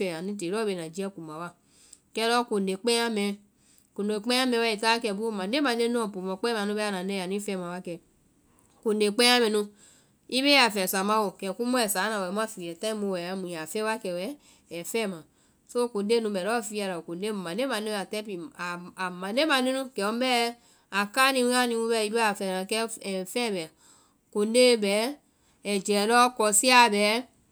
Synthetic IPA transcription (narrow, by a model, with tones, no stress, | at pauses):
fɛ˨a˨ni˦t̬e˨ɾɔ˦be˨na˨d͡ʒi˦a˦ku˨ma˨wa˦ | kɛ˦ɾɔ˦ko˨ne˨k͡pe˦a˦mɛ˨ | ko˨ne˨k͡pe˦a˦mɛ˨wɛ˦i˨ta˦kɛ˨bu˦˨ma˨de˦ma˨ne˦nu˦ɔ˨pu˨mɔ˨k͡pe˦ma˨nu˦bɛ˦a˦na˨ne˦˨a˨ni˦fɛ˦ma˨wa˦kɛ˨ | ko˨nde˨k͡pe˦a˦mɛ˨nu˧ | i˦βe˦a˨fɛ˨sa˨ma˦wo˨kɛ˨ku˦mo˦ɛ˨sa˨˦na˨wɛ˨m˦a˦fi˨ɛ˨ta˦i˦mo˧wɛ˨a˦mu˨ja˨fɛ˦wa˦kɛ˨wɛ˨˦ | ɛ˨fɛ˦˨mã˨ | so˦ko˨de˦nũ˧bɛ˨lɔ˦fi˧a˧ɾa˨ko˨de˦˨mã˨ne˦mã˨ne˦a˨tɛ˦pi˨a˨a˨mã˨ne˦mã˨ne˦nũ˦kɛ˨wɔ˦m˦bɛ˦ | a˨ka˦nĩ˧˦a˦nĩ˧wũ˧˦bɛ˧˦i˧˦bɛ˦a˨fɛ˨nã˨kɛ˦ɛ˨fɛ˦˨bɛ˨ | ko˨˦de˦bɛ˨˦ | ɛ˨d͡ʒɛ˨lɔ˦kɔ˧si˦a˦˨bɛ˨˦